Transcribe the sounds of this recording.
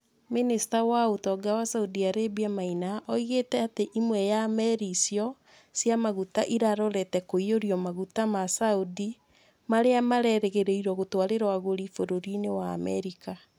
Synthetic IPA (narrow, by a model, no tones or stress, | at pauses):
ministawaotɔɡawasaudiaɾebiamainaʔɔiɣetɛateʔimwɛjamɛɾisjɔ | sjamaɣutaʔiɾaɾɔɾɛtɛkoioɾiɔmaɣutamasaudi | maɾeamaɾɛɾɛɣeɾeiɾɔɣotwaɾeɾawaɣoɾifoɾoɾinewa̰ːmɛɾika